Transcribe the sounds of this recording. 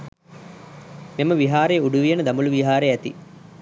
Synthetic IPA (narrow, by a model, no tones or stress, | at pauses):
memɐʋiɦaːɾeːuɖuʋijɐnɐd̪ɐmuluʋiɦaːɾeæt̪i